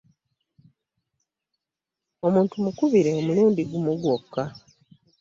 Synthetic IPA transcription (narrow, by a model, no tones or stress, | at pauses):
o̞muːntumukuβiɾe̞omuluːndiɡumuɡwokːa